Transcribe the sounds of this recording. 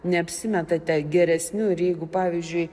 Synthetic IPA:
nʲɛɐpʲsʲɪmʲɛt̪ɐt̪ʲɛɡʲɛɾʲɛsʲnʲʊɪɾjɛɪɡʊpɑːʋʲizʲd͡ʒʲʊɪ

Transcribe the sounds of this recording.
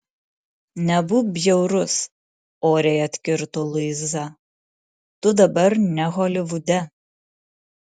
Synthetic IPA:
nʲɛbʊbʲjɛʊɾʊs | oːɾʲɛjɐt̪ʲkʲɪɾt̪olˠʊɪzɐ | t̪ʊd̪ɐbɐɾnʲɛɣoːlʲɪʋʊd̪ʲɛ

